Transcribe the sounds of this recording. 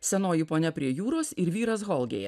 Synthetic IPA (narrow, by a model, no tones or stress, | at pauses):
sʲɛnoːjɪpoːnʲɛpʲɾʲiɛjuːɾoːsɪɾʋʲiːɾɐsɣɔlˠɡʲḛːjɛ̰